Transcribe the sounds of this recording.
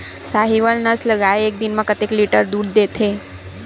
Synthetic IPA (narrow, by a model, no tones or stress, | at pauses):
saɦiʋəlnəsləɡajek̚d̪inmãkət̪ekliʈəɾd̪uɽd̪et̪ʰe